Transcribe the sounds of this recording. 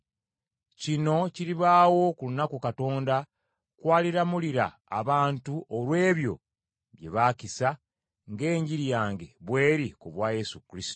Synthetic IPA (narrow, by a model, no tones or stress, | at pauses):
cino̞ciɾiβaːwo̞kulunakukato̞ːnda | kwaːliɾamuliɾa̰ː | βaːntuʔolwe̞ːβjo̞̰ | βje̞̰βaːcisa | ŋɡe̞ːɲɟiɾjaːŋɡe̞βwe̞ːɾikuβwaːje̞sukɾisi̥to